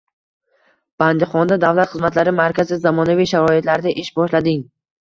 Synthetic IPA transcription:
b̥and̪ɪχɒnd̪ad̪avlˠat̪χɨzmat̪laɾɪmaɾkʲʰazɪzamɒnavijʃaɾɒid̪laɾɪd̪aʔɪʃbɒʃlad̪ɪŋ

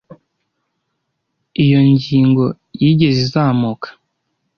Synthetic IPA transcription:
ijo̞ɲɟiːŋɡo̞ | jiːɟe̞zizaːmukʰḁ

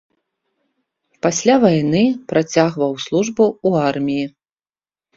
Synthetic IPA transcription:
pasʲlʲavajnɨpɾat͡sʲaɣvɐwslˠuʐbuuarmʲiji

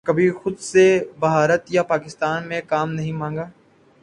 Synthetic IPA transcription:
kɐbʱixʊd̪sebɐɦaːɾət̪japaːkɪst̪aːnmẽkaːmnɐɦĩmãːŋɡaː

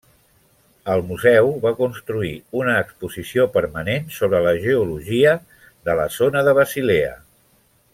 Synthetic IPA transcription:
əlˠmuzɛwβakunst̪ɾuiunəːkspuzisiopəɾmənensoβ̞ɾələʒəuluʒiə | ðələ̰zonəðəβəsileə̰

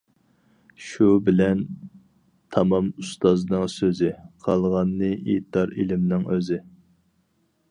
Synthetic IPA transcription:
ʃubɪlɛn | t̪ʰɑmɑmust̪ɑznɨŋsøzɪqʰɑlˠʁɑnːɨʔḛt̪ɑɾḛlɪmnɪŋøzɪ

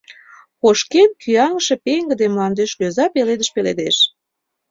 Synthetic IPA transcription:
koʃkenkyɑŋəʃĕpeŋɡə̆d̪emlɑnd̪eʃløzɑpeled̪əʃpelḛd̪eʃ

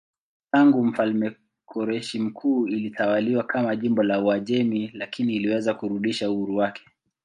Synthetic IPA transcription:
taŋɡum̩falmɛ | kʰɔɾɛʃim̩kʰuːilitawaliwakʰamaʄimbɔlauaʄɛmilakiniːliwɛzakuɾuɗiʃauhuɾuwakɛ̥

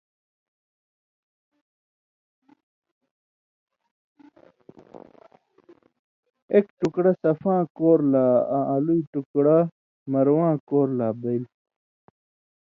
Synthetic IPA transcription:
ekʈukɽɐsɐfãːkoːɾlaːãʔɐluiʈukɽa | mɐɾwãːkoːɾlaːbɐil

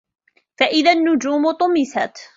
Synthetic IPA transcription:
faʔɪðanːʊd͡ʒuːmʊt̪ˤʊmɪsa̰t̪

